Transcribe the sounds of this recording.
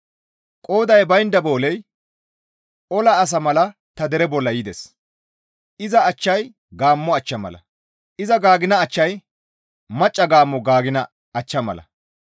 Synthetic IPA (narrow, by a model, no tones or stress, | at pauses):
kʼoːd̪ɐjbɐjnd̪ɐbo̞ːlɛj | ʔɔlɐːs̬ɐmɐlɐ | t̪ɐd̪ɛɾɛbɔlːɐjid̪ɛs | ʔɪzɐːt͡ʃːɐj | ɡaːmːɔɐt͡ʃːɐmɐ̰lɐ̰ | ʔɪzɐɡaːɡɪnɐːt͡ʃːɐj | mɐt͡ʃʼːɐɡaːmːɔɡaːɡɪnɐ | ɐt͡ʃːɐmɐ̰lɐ̰